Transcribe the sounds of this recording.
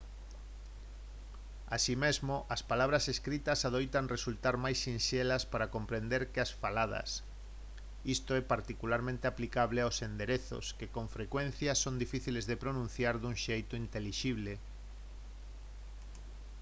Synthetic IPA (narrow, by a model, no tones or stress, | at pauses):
asimezmoʔaspalaβ̞ɾaseskɾit̪asað̞ojt̪aŋresult̪aɾmajsinʃelaspaɾakompɾend̪eɾkeasfalað̞ɐ̰s | ist̪oɛpaɾt̪ikulaɾmẽnt̪eaplikaβleawsend̪eɾeθo̰skekõɱfɾekwẽn̟θjasond̪ifiθilezðepɾonũnθjaɾðuŋʃejt̪oint̪eliʃiβle